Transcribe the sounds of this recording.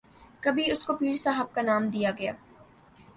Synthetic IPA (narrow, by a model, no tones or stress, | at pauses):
kɐbʱiʊskopiːɾsaːɦəb̚kanaːmd̪ijaɡɐja̰ː